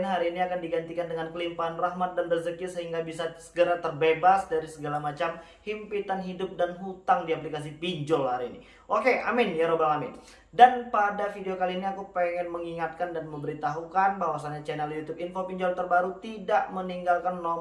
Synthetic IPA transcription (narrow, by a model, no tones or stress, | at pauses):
nɦaɾiːniakandiɡant̪ikandəŋankəlimpaɦanraɦmat̪̚danbərzəkɪrsəɦiŋɡabisasə̥ɡəɾat̪ərbebasdaɾisəɡalamat͡ʃam | himpit̪anɦidʊp̚danɦut̪aŋdiaplikas̬ipiɲd͡ʒɔlhaɾiːnḭ | ʔokea̰mɪnjaɾobaŋamɪn | danpadafideokaliːniakupeŋɛnməŋiŋat̪̚kandanməmbəɾit̪aɦukanbawasaɲat͡ʃɛnɛljut̪upinfopiɲd͡ʒɔlt̪ərbaɾut̪idaʔməniŋɡalkanːɔ